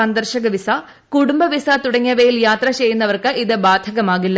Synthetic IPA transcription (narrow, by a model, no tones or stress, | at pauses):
ɐnd̪ɐrɕɐɣɐʋisa | kuɽumbɐʋisɐt̪uɽɐŋːɐʋejiljaːt̪rɐt͡ɕe̞jːunːɐʋɐrkɨʔiðɨbaːd̪ʱɐɣɐmaːɣilːɐ